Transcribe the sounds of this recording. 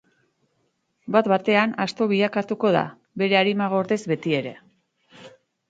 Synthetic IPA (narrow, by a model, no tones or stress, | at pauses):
bat̪bat̪e̞anast̪o̞β̞iʎakat̪uko̞ð̞a̰ | βe̞ɾe̞aɾimaɣ̞o̞ɾðe̞zβe̞t̪ie̞ɾe̞